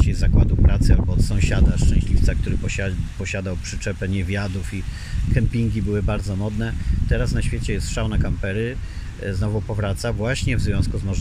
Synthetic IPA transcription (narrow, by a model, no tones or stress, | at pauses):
t͡ɕejzakwad̪upɾat̪sɨa̰lbɔːt̪sɔ̃ɕad̪aʂt͡ʂɛ̃ɕlʲift̪sakt̪uɾɘpɔapɔɕad̪awpʂɘ̥t͡ʂɛpɛɲɛvʲjad̪ufi | kɛmpʲiŋɡʲibɘwɘbaɾd̪zɔmɔd̪nɛt̪ɛɾasnaɕfʲet͡ɕɛjɛst̪ʂawnakampɛɾɘ | znɔvupɔvɾat̪savwaɕɲɛvzvʲjɔ̃w̃skuzmɔʐ